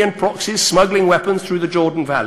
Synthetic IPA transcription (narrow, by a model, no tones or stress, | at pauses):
ə̃npʰɹ̥ɒksɪz̥smʌɡlɪ̃ŋwɛpə̃nz̥θɹʉːðəd͡ʒɔːdⁿn̩va̰l